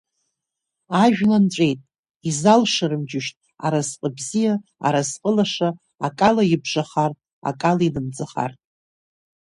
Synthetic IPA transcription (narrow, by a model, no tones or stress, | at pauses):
aʒᶣlant͡ɕʷʼe̞jtʼ | izalʂaɾɨmd͡ʒɪʃtʼ | a̰ɾazqʼəbzijaa̰ɾazqʼəlaʂaː | kʼalaibʐaχartʼ | a̰kʼalainɨmd͡zaχa̰rtʼ